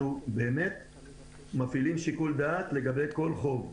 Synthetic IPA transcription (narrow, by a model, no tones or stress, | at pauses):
ube̞ːme̞t̪̚ | mafilimʃikuld̪aːt̪le̞ɡabe̞jko̞lχo̞v